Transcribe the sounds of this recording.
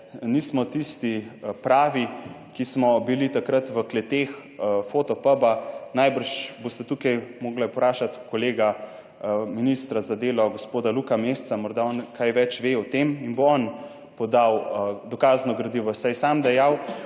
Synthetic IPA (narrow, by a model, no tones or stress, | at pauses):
niːsmɔt̪ist̪ipɾaːʋi | kismɔbilit̪akɾət̪ʋəklɛt̪exfot̪ɔpəbanajbəɾʃbost̪ɛt̪ukajmoːɡlapɾaːʃat̪koleːɡa | minist̪ɾazad̪eːlɔɡospoːd̪alukamest̪samɔɾd̪aɔnkʰajʋɛt͡ʃʋeɔt̪eminboɔn | pɔd̪awd̪ɔkaːznɔɡɾɐd̪iʋɔsajsamd̪ɛjaw